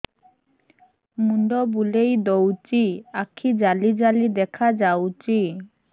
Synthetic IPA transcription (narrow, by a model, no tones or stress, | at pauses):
muɳɖɔbulejd̪owt͡ɕiakʰːid͡ʑalid͡ʑalid̪ɛkʰad͡ʑawt͡ɕi